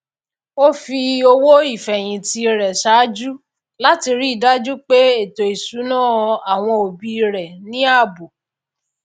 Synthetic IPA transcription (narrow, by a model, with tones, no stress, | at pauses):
o˦fi˧o˧wo˦i˦˨fɛ˨j̃ĩ˨ti˧˦ɾɛ˨ʃa˨˦d͡ʒu˦ | la˦ti˧ɾi˦˨da˦d͡ʒu˦k͡pe˦e˦˨to˨i˨su˨˦nãː˦˨˧a˨w̃ɔ̃˧o˨bi˧ɾɛ˨nĩ˦a˦˨bu˨